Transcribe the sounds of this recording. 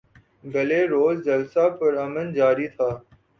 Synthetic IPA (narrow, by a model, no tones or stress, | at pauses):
bʱɐleːɾoːzd͡ʒɐlsaːpəɾɐmənd͡ʒaːɾit̪ʰaː